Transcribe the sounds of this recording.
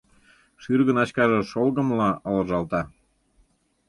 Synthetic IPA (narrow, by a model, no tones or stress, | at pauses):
ʃyrɣənɑt͡ɕkɑʒeʃolɣə̆mlɑələʒɑlt̪ɑ